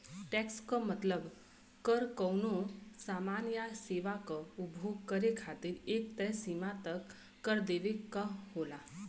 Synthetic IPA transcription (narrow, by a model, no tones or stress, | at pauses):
ʈɛkskəmət̪ləb | kəɾkəwnusamanjaseʋakəubʱuɡkəɾekʰat̪iːɾek̚t̪ɛsimat̪əkː | əɾd̪eʋekːəɦola